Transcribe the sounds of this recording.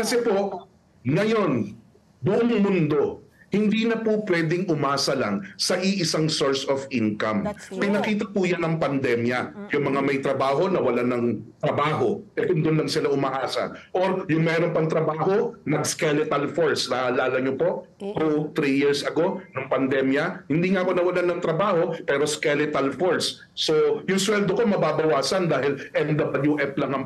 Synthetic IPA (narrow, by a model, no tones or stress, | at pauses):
kɐsɛpo̞ʔ | ŋɐjo̞n | bʊʔoŋmʊnd̪o̞hɪnd̪iːnɐpʊpwɛːd̪ɪŋʔʊmaːsɐlɐŋsɐʔɪʔɪsaŋso̞ɹsofʔiŋkɐmpɪnɐkiːt̪ɐpujanɐŋpɐnd̪ɛmjɐjʊŋmɐŋamɐjt̪ɾɐbaːɦo̞nɐwɐlanɐŋt̪ɾɐbaːɦo̞ʔɛkʊnd̪ʊnlɐŋsɪlaʔʊmɐʔaːsɐ̰ʔoɾjʊŋmɛːɾompɐŋt̪ɾɐbaːɦo̞nɐɡskɛlɪt̪ɐlfoɹslaːhɐlaːlɐɲopo̞ʔ | t̪ut̪ɾijiɹsʔɐɡo̞nʊŋpɐnd̪ɛmjɐhɪnd̪iːŋaʔko̞nɐwɐlanɐŋt̪ɾɐbaːho̞pɛːɾoskɛlɪt̪ɐlfoɹsː | ojʊŋswɛld̪oko̞mɐbaːbɐwaːsɐnd̪aːhɪlʔɛnd̪ɐbɐljuʔɛplɐŋɐŋ